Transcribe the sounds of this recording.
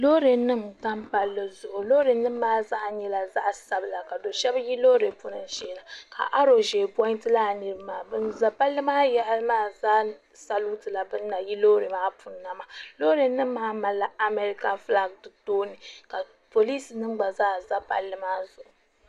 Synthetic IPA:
lo˦ɾe˨nːɨ˦mta˦mpa˦lːɨ˦zʊ˨ʔʊ˨lo˦ɾe˨nːɨ˦mː˦aː˦za˦ʔɲɛ˦la˨za˦ʔsa˨bɨ˨la˨ka˨do˨ʃɛ˦bji˦loː˦ɾe˨pu˦nɨ˨n˦ʒɛː˨˦la˨kʰa̰˨ʔa˦ɾo˨ʒe˨pɔ˦ɪ˦ntɨ˦la˦˨nɨ˨ɾɨ˦maː˨bɨ˦nza˨pa˦lːɨ˦maː˦jɛ˦maː˦zaː˦ | sa˨lu˦tɨ˨la˨bɨ˦nː˦a˨ji˦loː˦ɾe˨maː˦pʰu˨nːa˨ma˨lo˦ɾe˨nːɨ˦mː˦aː˦ma˨lːa˨ʔa˨me˨ɾi˦ka˦nfla˦ɡ̚dɨ˨toː˦nɨ˨ka˨ | po˨li˦snɨ˦m˦ɡ͡ba˨zaː˦za˦pa̰˨lːɨ˦maː˦zʊ˨ʔʊ˨

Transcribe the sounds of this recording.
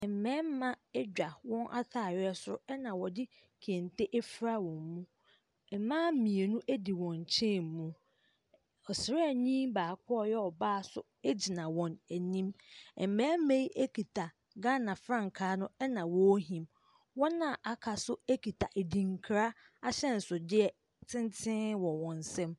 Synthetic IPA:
ɛ˨m̩˨mɛ̃ː˦m˦mã˦ɛ˦d͡ʑᶣa˨wɔ̃˦nʔa̰˦tʰaː˨ɥɛ˦sʊ˦ʊ˦ɛ˦nã˨wɔ˨dɪ˦ | kʰe˨n˨tʰe˦ʔe˦fɾa˦wɔ̃˨mmũ˦ | ɛ˨mãː˦mĩ˨e˨nũ˦ʔæ˦di˨wɔ̃˨ɲ˨t͡ɕʰɛ̃˦˨m˨mũ˦ | ɔ˨sɪ˨ɾɛ˦˨ɲĩ˦mbaː˨kʰɔ˦ɔ˦˨jɛ˦ɔ˨baː˦˨sʊ̰˦ | e˦d͡ʑi˨nã˨wɔ̃˨næ˨nĩ˦mɛ˨m̩˨mɛ˨˦me˦i˦ʔe˦kʰi˨tʰa˨ | ɡã˦nã˨fɾã˦˨ŋ˨kʰaː˦nʊ̃˦ɛ˦nã˨wɔ˦ɦĩ˨m | wɔ˦nːã˨ʔa˨kʰa˨sʊ˦e˦kʰi˨tʰa˨ʔe˨di˨ŋ̩˦kʰɾa˦ | a˦ɕɛ˦n̩˨sʊ˨dɪ˦ɛ˨ | tʰɪ̃˦n˦tʰɪ̃˦wɔ̃˨wɔ̃˨n˨sɛ̃˦m

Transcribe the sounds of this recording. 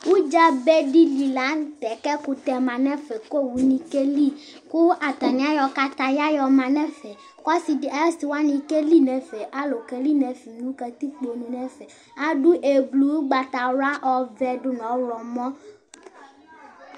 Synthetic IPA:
wu˦d͡ʒa˦bɛ˦ɖi˦li˨la˨˦t̪ɛ˨kɛ˦ku˦t̪ɛ˨mã˨nɛ̃˦fɛ˨ko˦wu˨nĩ˨ke˦li˦ | ku˦ʔa˨t̪a˨nĩ˦a˦jɔ˨ka˦t̪a˦ja˦jɔ˨mã˨nɛ̃˦fɛ˨ | kɔ˦si˨di˨a˨˦si˨wa˦nĩ˨ke˦li˦nɛ̃˨fɛ˨ʔa˦lo˨kɛ˨li˦nɛ̃˨fi˨nũ˦kɛ˨t̪i˦k͡po˨nũ˨nɛ̃˦fɛ˨ | a˦ɖu˦ʔe˨blu˨˦wu˦ɡ͡ba˨t̪a˨la˦ʔɔ˨vɛ˨ɖʊ˦nɔ̃˨˦lɔ˨mɔ̃˦

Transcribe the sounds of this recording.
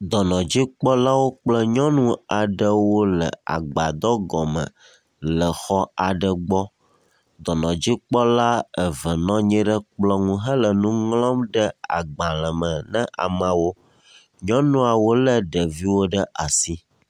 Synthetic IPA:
d̪ɔ˨nɔ̃˨d͡ʑi˦k͡pɔ˦la˦wo˦k͡plə˦ɲɔ̃˦nũ˦a˨ɖə˦wo˦lə̰˨a̰˨ɡ͡ba˨d̪ɔ˦ɡɔ˨mə̰̃˨ | lə˨xɔ˦a˨ɖə˨ɡ͡bɔ˦ | d̪ɔ˨nɔ̃˨d͡ʑi˦k͡pɔ˦la˦ə˨və˨nɔ̃˦ɲɛ̃˦ɖə˦k͡plɔ˦ŋũ˦ɦə˦lə˨nũ˦ŋlɔ̃˦mɖə˦a̰˨ɡ͡bã˨lə˨mə̃˨nɛ̃˦ʔa̰˨mã˨wo˦ | ɲɔ̃˦nũ˦a˨wo˦lə˦ɖə˨vi˦wo˦ɖə˦ʔa˨si˦

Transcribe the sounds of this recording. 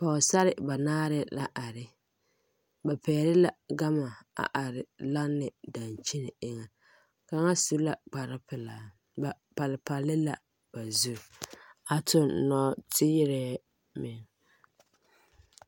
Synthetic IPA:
pa˨ʊ˨sa˦ɾɪ˨ba˨naː˦ɾɪ˦la˦ʔa˨ɾɪ˦ | ba˨pɛː˨ɾɪ˦la˨ɡa˦ma˨a̰˨ʔa˨ɾɪ˨la˦nːɪ˨da˨nt͡ʃi˦nɪ˨ɪ˦ŋa˨ | ka˨ŋa˦su˦la˨k͡pa˨ɾɪ˦pɪ˨la˨ | ba˨ | pa˨lɪ˨pa˨lɪ˦la˨ | b̥a˨zu˦˨a˨tʊ˦n˨nɔ˦tʰɪ˦ɪ˦ɾɛː˦ | mɪ˨ŋ

